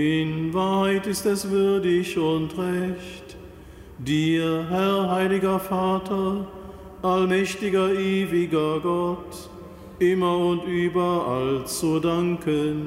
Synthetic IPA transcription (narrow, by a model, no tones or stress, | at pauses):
ʔɪnvaːɐhaɪtɪstɛsv̥ʏɐdɪçʊntʁɛçt | d̥iːɐɦɛʁɦaɪlɪɡɐfaːtʰɐ | ʔalmɛçtɪɡɐʔeːvɪɡɐɡɔt | ʔɪmɐʊntʔyːbɐʔa̰lt͡sudaŋkʰən